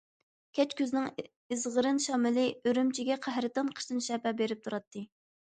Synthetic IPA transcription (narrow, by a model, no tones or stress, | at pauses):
kʲʰɛt͡ʃkʲøznɪŋ | ɨzʁəɾɨnʃɑːmɨlɨøɾymt͡ʃʰiɡʲɛqʰæɦɾɨt̪ɑnqʰə̥ʃt̪ɨnʃɛpɛbeɾɪp̚t̪ʰuɾɑt̪ʰːɨ